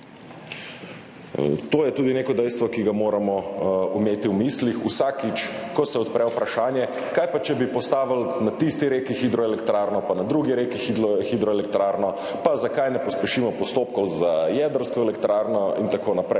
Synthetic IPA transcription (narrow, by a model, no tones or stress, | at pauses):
t̪oːjɛt̪uːd̪ineːkɔd̪ɛjst̪ʋɔkiɡamoːɾamɔumeːt̪iwmislixusakit͡ʃkɔsɛɔt̪pɾɛwpɾaʃaːnjɛ | kajpat͡ʃɛbipɔst̪aːʋəlnat̪ist̪iɾeːkixid̪ɾɔɛlɛkt̪ɾaːɾnɔpanad̪ɾuːɡiɾekixid̪ɔxid̪ɾɔɛlɛkt̪ɾaːɾnɔ | pazakajnɛpɔspɛʃiːmɔpɔst̪oːpkɔwzajɛd̪əɾskɔɛlɛkt̪ɾaːɾnɔint̪akoːnapɾɛj